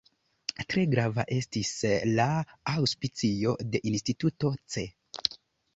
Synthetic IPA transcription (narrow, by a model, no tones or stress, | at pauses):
tɾe̞ɡɾava̰ʔe̞stislaawspit͡sio̞de̞ʔinstituto̞t͡se̞